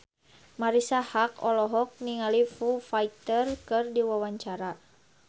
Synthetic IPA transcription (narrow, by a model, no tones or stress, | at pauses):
maɾisahakɔlɔɦɔk̚niŋalifufait̪ərkɨrdiwawaɲt͡ʃaɾa